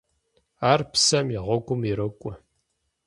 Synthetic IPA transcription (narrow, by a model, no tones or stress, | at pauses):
aːrpsɐmjɪʁʷɔɡʷʊmiɾɐkʷʼʊ